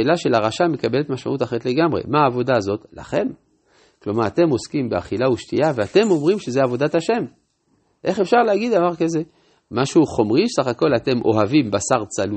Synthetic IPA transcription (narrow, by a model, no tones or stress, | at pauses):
elaʃe̞laʁaʃame̞kabele̞t̪maʃma̰ʔut̪aχeet̪le̞ɡamʁe̞̰maːvo̞d̪aːzo̞t̪la̰χe̞m | klomaʁat̪e̞mo̞skimbea̰χilauʃtiaveat̪e̞mo̞mʁimʃezeavo̞d̪at̪haʃe̞m | ʔe̞χefʃaʁleaɡid̪davaʁkaze | maʃuχo̞mʁisaχako̞lat̪e̞mʔo̞̰ɦavimbasaʁt͡salu